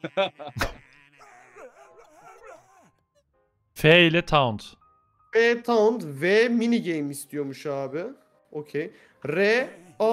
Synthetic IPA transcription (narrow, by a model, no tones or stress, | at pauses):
fɛːilʲɛt̪ʰaund̪ | fet̪ʰand̪vɛminiɟejmist̪ʰijo̞ɾmuʃaːbɪ | ocʰej | ɾɛa